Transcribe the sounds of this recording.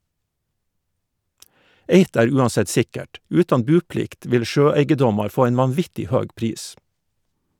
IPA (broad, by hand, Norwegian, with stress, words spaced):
ˈeɪt ˈæːɾ ˈʉːɑnˌsɛt ˈsɪkəʈ ˈʉːtɑn ˈbʉːˌplɪkt ˈʋɪl ˈʃøːˌæɪɡəˌdɔmɑɾ ˈfoː ˈæɪn ʋɑnˈʋɪtɪ ˈhøːɡ ˈpɾiːs